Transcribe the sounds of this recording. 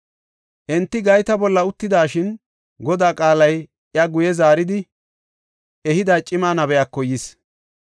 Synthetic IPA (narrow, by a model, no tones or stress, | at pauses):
ʔɛnt̪ːɪɡɐjt̪ɐbɔlːɐʊt̪ːɪd̪aːʃɪn | ɡɔd̪aːkʼaːlɐj | ʔɪjɐɡʊjɛzaːɾɪd̪ɪ | ʔɛhɪd̪aːt͡ʃʼɪmaːnɐbɛjakːɔjis